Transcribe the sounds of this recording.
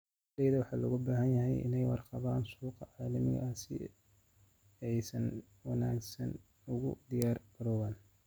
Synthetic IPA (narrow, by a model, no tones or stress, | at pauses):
d̪ɛjðɐwɑħɑːlɔɣʊbaːɦɐnjɐɦɛjʔɪ̰nɛjwɑ̰rqɑβaːnsuːqɑʕɑːlɐmɪ̰ɣɐ̰ʔɐsɪ̰ | ɛjsɐn | wɑnaːɡsɐ̰n | ʊɣʊ̰d̪ɪjaːrbɐɾɔːwaːn